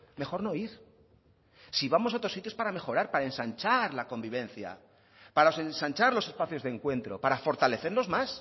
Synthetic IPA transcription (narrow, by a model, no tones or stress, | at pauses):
me̞xo̞ɾno̞iɾ | siβamo̞saot̪ɾo̞sːit̪jo̞spaɾame̞xo̞ɾaɾpaɾaensant͡ʃaɾlako̞mbiβ̞ẽ̞nθja̰ | paɾaose̞nsãnt͡ʃaɾlo̞se̞spaθjozðeŋkwẽ̞nt̪ɾo̞̰paɾafo̞ɾt̪ale̞θe̞ɾlo̞zmas